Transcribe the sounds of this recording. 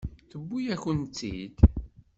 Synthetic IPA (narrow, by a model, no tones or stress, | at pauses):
θəbːujæçənt͡s̪ːḭd̪